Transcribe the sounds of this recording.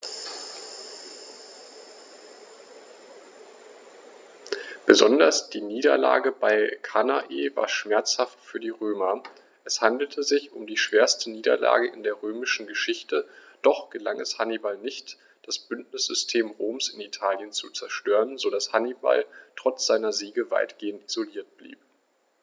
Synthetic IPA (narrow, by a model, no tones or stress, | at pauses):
b̥əzɔndɐsd̥iːniːdɐ̰la̰ːɡəbaɪkʰanaʔḛːva̰ːɐʃmɛɐt͡shaftfyːɐdiːʁøːmɐ | ʔɛshandl̩tʰəzɪçʊmdiːʃv̥eːɐstəniːdɐ̰la̰ːɡəʔɪndeːɐʁøːmɪʃn̩ɡəʃɪçtəd̥ɔχɡ̥əla̰ŋʔɛshanibalnɪçt | d̥asb̥ʏntnɪsz̥ʏstʰeːmʁoːmsɪnitʰaːljənt͡sut͡sɛɐʃtøːʁənzodashaniba̰ltʁ̥ɔt͡sz̥aɪnɐziːɡəva̰ɪtɡ̥eːəntizoliːɐt̚b̥lḭːp̚